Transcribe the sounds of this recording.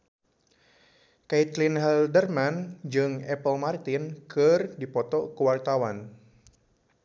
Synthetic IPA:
kait̪linɦɛldərmand͡ʒɨŋɛpəlmart̪inkɨrdipɔt̪ɔkəwart̪awan

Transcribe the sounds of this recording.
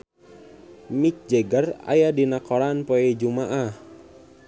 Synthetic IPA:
mik̚d͡ʒɛɡəra̰jadinakɔɾanpoɛd͡ʒumaʔah

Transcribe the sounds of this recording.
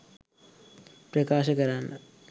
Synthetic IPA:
pɾɐkaːʃɐkɐɾaːnɐ

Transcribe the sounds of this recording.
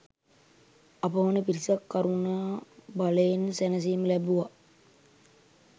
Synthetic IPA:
ɐpəʋɐnəpiɾisakːaɾunaːbaleensænəs̬iːməlæbuʋa

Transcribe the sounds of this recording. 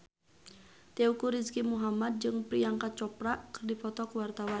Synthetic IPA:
t̪ɛukuɾiskimuɦamad̪̚d͡ʒɨŋpɾiaŋkat̪̚t͡ʃɔpɾaʔkɨrdipɔt̪ɔkwart̪awa

